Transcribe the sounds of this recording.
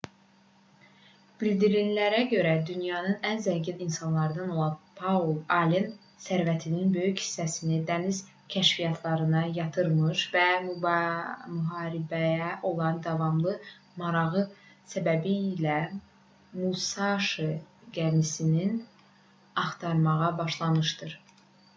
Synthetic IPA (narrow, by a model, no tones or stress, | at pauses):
b̥ild̪iɾinlæɾæɟø̞ɾæd̪ynjɑnɯnænzæɲɟininsɑnlˠɑɾd̪ɑno̞lˠɑnpʰɑolˠɑlem | sæɾvæt̪ʰininbø̞jychi̥sːæsinid̪æniz̥ | cʰæʃvijɑt̪ʰlˠɑɾɯnɑjɑt̪ʰɯɾmɯʃvæm | myɦɑːɾibæjæʔo̞lˠɑnd̪ɑvɑmlˠɯ | mɑɾɑɣɯsæbæbiːlæ | musɑʃɯɡænisinin | ɑχt̪ʰɑɾmɑʁɑbɑʃlˠɑnɯʃd̪ɯɾ